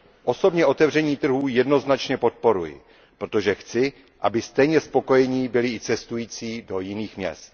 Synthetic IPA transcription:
ʔo̞so̞bɲɛʔo̞t̪ɛvrɛɲiːt̪r̩ɦuːjɛdno̞znat͡ʃɲɛpo̞t̪̚po̞ɾujɪ̰ | pɾot̪o̞ʒɛxt͡sɪ | ʔabɪst̪ɛjɲɛspo̞ko̞jɛɲɪbɪlɪɪt͡sɛst̪ujiːt͡siːdo̞jɪniːxmɲɛ̰st̪̚

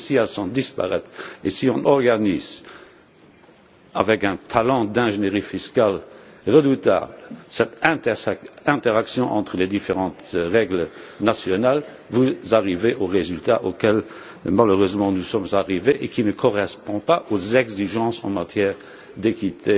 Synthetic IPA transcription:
siasɔ̃d̪ispa̰ʁɛt̪ʁesiɔ̃nʔɔʁɡaniːz | a̰vɛkɛ̃t̪ʰalɑ̃d̪ɛ̃ʒeneʁifiskalʁəd̪ut̪a̰ːbləsɛt̪ɛ̃ | ɛ̃t̪eʁaksjɔ̃ʔɑ̰̃t̪ʁəled̪ifeʁɑ̃ːt̪ʁɛɡlənasjɔnal | vuzaʁiveʔoʁezylt̪aʔokɛl | maløʁøzmɑ̃nusɔmzaʁiveʔekʰinəkʰɔʁɛspɔ̃paʔozɛɡziʒɑ̃ːsɑ̰̃mat̪ʰjɛːʁ | d̪ekit̪ʰe

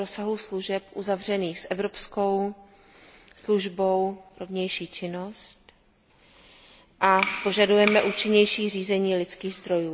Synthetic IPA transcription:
ɾosaɦusluʒɛpʔuzavr̝ɛniːxsʔɛvɾo̞psko̞w | sluʒbo̞wɾovɲɛjʃiːt͡ʃɪno̞st̪ | ʔapo̞ʒadujɛmɛʔuːt͡ʃɪɲɛjʃiːr̝iːzɛɲiːlɪt͡skiːɣzd̪ɾo̞juː

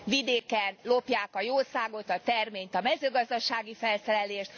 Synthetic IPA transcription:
vid̪eːkɛnlo̞pjaːkɒjoːsaːɡo̞t̪ɒt̪ɛrmeːɲt̪ɒmɛzøːɡɒzd̪ɒʃaːɡifɛlsɛɾɛleːʃt̪

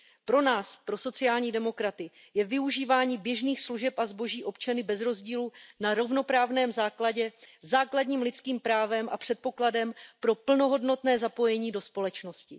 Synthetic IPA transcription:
pɾo̞naːspɾo̞so̞t͡sɪaːlɲiːdɛmo̞kɾat̪ɪ | jɛvɪuʒiːvaːɲiːbjɛʒniːxsluʒɛpʔazbo̞ʒiːʔo̞pt͡ʃanɪbɛzɾo̞zɟiːlunaɾo̞vno̞pɾaːvnɛːmzaːklaɟɛzaːkladɲiːmlɪt͡skiːmpɾaːvɛmʔa̰pr̝̥ɛt̪̚po̞kladɛmpɾo̞pl̩no̞ɦo̞dno̞t̪nɛːzapo̞jɛɲiːdo̞spo̞lɛt͡ʃno̞scɪ

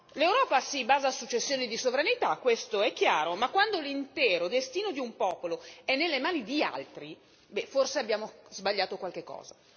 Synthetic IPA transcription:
lewɾɔːpasibaːzaːsut͡ʃːesːjoːnid̪isovɾanit̪akːwest̪oɛkːjaːɾomakːwand̪olint̪ɛːɾod̪est̪iːnod̪iumpɔːpoloɛnːelːemaːnid̪ia̰lt̪ɾi | bɛforseabːjaːmozbaʎːaːt̪okwalk̟ekːɔ̰ːza

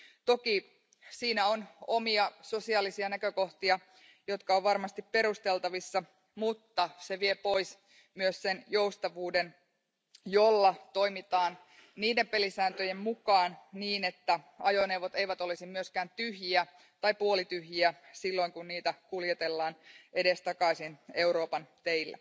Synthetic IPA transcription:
t̪o̞ki | siːnæo̞nomiɑso̞siɑlisiɑnækøko̞ht̪iɑ | jo̞t̪kɑoʋʋɑrmɑst̪ippe̞ɾust̪e̞lt̪ɑʋisːɑ | mut̪ːɑse̞ʋie̞po̞js | myøssenjoust̪ɑʋuːde̞n | jolːɑt̪o̞imit̪ɑːn | niːdempe̞lisæːnt̪øjemmukɑːnniːne̞t̪ːæ | ɑjoneuwʋot̪e̞jʋæt̪o̞lisimmyøskæːnt̪yhjiæ | t̪ɑipuolit̪yɦjiæsilːo̞iŋkunniːt̪ækuljet̪e̞lːɑːnʔe̞dest̪ɑkɑisine̞uɾo̞ːpɑnt̪eilːæ̰

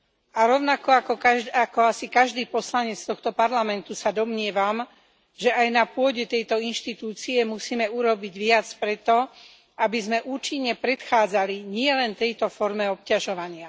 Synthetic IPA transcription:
aɾɔʊnakɔakɔakɔasikaʒd̪iːpɔslaɲɛt͡st̪ɔxt̪ɔpaɾlamɛnt̪usad̪ɔmɲɪɛʋam | ʒɛajnapʊɔɟɛt̪ɛjt̪ɔinʃt̪it̪uːt͡siɛmusiːmɛuɾɔbiɟʋɪat͡spɾɛt̪ɔ | abizmɛʔuːt͡ʃiɲːɛpɾɛt̪xaːd͡zaliɲɪɛlɛnt̪ɛjt̪ɔfɔɾmɛɔp̚caʒɔʋaɲɪa

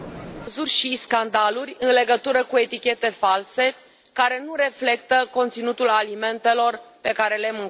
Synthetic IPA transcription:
azurʲʃiskand̪alurʲɨnle̞ɡət̪uɾəkue̞t̪ikʲe̞t̪e̞false̞ | kaɾe̞nuɾe̞fle̞kt̪əko̞nt̪sinut̪ulalime̞nt̪e̞lo̞rpe̞kaɾe̞le̞muŋk

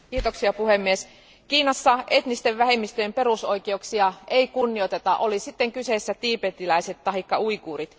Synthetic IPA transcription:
kiːt̪oksiɑpuhemːies | kiːnɑsːɑe̞t̪nist̪eʋʋæɦemːist̪øjempe̞ɾusoikeuksiɑeikunːiot̪e̞t̪ɑʔolisit̪ːeŋkyseːsːæt̪iːpet̪ːilæiset̪t̪ɑɦikːɑuikuːrit̪

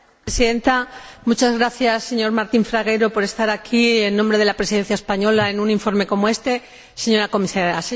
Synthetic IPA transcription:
esiðe̞nt̪amut͡ʃazɣɾaθjasːe̞ɲo̞ɾmaɾt̪iɱfɾaɣ̞eɾo̞po̞ɾe̞st̪aɾakʰie̞nːõmbɾe̞ð̞elapɾesiðe̞nθjaespaɲo̞lae̞nũnĩɱfo̞ɾme̞ko̞moe̞st̪e̞ | se̞ɲo̞ɾako̞misaɾjase

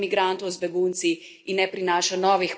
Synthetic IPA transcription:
miɡɾant̪ɔwzbɛɡunt̪si | inːɛpɾinaːʃanɔːʋix

